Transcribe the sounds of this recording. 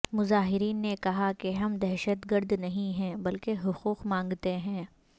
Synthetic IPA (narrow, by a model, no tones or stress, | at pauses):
mʊzaːɦɪɾiːnːekɐɦakeɦɐmd̪ɛɦʃət̪ɡəɾd̪nɐɦĩɦɛ̃ːbɐlkeɦʊquːqmãːŋɡt̪eɦɛ̃ː